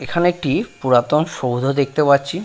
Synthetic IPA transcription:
ekʰaneek̚ʈipuɾat̪onʃowd̪ʱod̪ek̚ʰt̪epat̪ːɕʰi

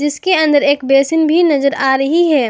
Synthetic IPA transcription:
d͡ʒɪskeɐ̃nd̪əɾeːkbeːsɪnbʱinɐzəɾaːɾɐɦiɦɛː

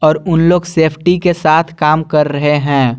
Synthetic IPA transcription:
ɔːɾʊnloːɡseːpʰʈikesaːt̪ʰkaːmkɐɾːɐɦeɦɛ̃ː

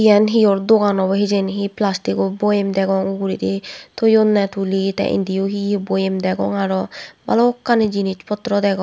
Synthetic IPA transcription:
ijɛnɦijɔɾd̪oɡanɔbɔɦid͡ʒenɦiplasʈikɔbojemd̪ɛɡɔŋuɡuɾit̪it̪ʰojonːɛt̪ʰulit̪ɛ̰ʔḭnd̪ijoɦibojemd̪ɛɡɔ̰ŋaɾɔba̰lɔːkːaned͡ʒinit͡ʃpɔt̪ːɾɔd̪ɛɡɔ

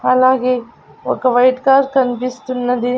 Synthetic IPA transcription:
ɐlaːɡeː | ɔkːɐʋɐjʈkaːɾɾkɐnipist̪unːɐd̪i

